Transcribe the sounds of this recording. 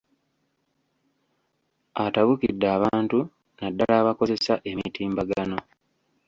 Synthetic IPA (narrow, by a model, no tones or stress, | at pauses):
ataβukḭdːaːβaːntu | nadːalaːβako̞ze̞saʔe̞mitiːmbaɡano̞